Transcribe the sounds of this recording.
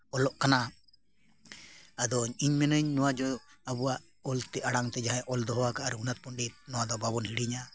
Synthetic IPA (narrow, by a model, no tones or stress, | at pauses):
ɔlɔʔkana | ad̪ɔɲiɲmɛnɔɲːɔwad͡ʒɔabuwaʔ | ɔlt̪ɛʔaɽaŋt̪ɛd͡ʒaɦaʔɔld̪ɔɦɔwakaaɾuɦunat̪̚pɔɳɖit̪̚nɔwad̪ɔbabɔnhiɽiɲa